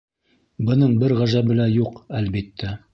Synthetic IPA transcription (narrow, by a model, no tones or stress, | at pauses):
bɤ̆nɤɴbɘɾʁæʒæbɘ̆læjuqælbit̪ːæ